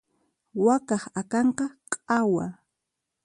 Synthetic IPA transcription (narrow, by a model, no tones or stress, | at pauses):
wakɑχakɑɴqɑqʼawa